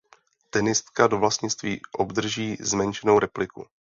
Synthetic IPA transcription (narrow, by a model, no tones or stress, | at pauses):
t̪ɛnɪst̪kado̞vlast̪ɲɪt͡st̪viːʔo̞bd̪r̩ʒiːzmɛnt͡ʃɛno̞wɾɛplɪkṵ